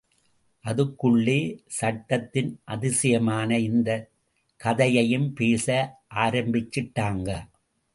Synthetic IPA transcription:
ʔɐðɯkːʊɭːeːsɐʈːɐt̪ːɪnʔɐðɪsɐjɐmaːnɐɪnd̪ɐ | kɐðɐjɐjɯmpeːsɐʔaːɾɐmbɪt͡ʃːɪʈːaːŋɡɐ

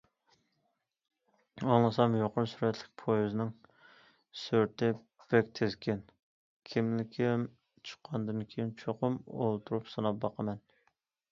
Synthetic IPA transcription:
ɑŋlˠɨsɑmjoqʊɾsyɾɛt̪ʰlɪ̥k̚ʲpʰojyznɪŋ | søɾt̪ʰɪ | b̥ɛk̚ʲt̪ʰɪzkʲʰɛn | kʲʰimlɪkʲʰɪm | t͡ʃʰə̥qʰːɑnd̪ɨnkʲʰejint͡ʃʰoqʊmolˠt̪ʰuɾupsɨnɑp̚bɑqʰəmɛn

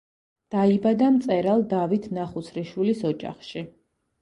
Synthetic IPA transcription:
d̪̥aibad̪amt̪sʼɛɾalˠd̪avit̪ʰnaχut̪sʰɾiʃwilisɔd͡ʒa̰χʃi

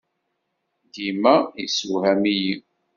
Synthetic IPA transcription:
dimæisuhæmiji

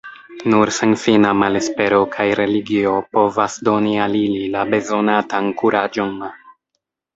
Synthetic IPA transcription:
nuɾsenfinamale̞spe̞ɾo̞kʰajɾe̞liɡio̞po̞vasdo̞nialililabe̞zo̞natankuɾʔad͡ʒo̞n

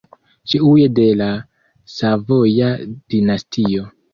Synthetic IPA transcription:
t͡ʃiujede̞la | savo̞jad̥inastʰio̞

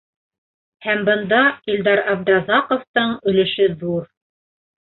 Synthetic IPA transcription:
hæmbɤ̆nd̪ɑild̪ɑɾɑbd̪ɾɑzɑqŏft̪ɤɴɵ̆lɘ̆ʃɘðuɾ

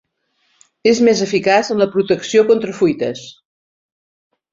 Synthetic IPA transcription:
ezmezəfikazənləpɾut̪əksiokont̪ɾəfujt̪ə̰s

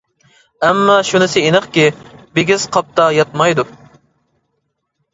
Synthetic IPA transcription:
ɛmːɑʃunɪsɪinɨχkʲibeɡʲiz̥qʰɑp̚t̪ɑjɑt̪̚mɑjd̪u

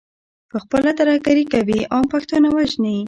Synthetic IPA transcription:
pəxpəlat̪aɾahɡaɾikawiʔɑmpakt̪onawaʒni

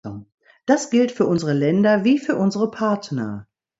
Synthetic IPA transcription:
d̥asɡ̥ɪltfyːɐʔʊnzəʁəlɛndɐviːfyːɐʔʊnzəʁəpʰaɐtnɐ̰

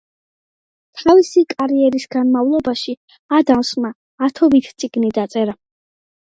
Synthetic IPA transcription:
t̪ʰavisikʼaɾiɛɾisɡanmavlˠɔbaʃi | ad̪amsmaː | t̪ʰɔbit̪ʰt̪sʼiɡnid̪at̪sʼɛɾa

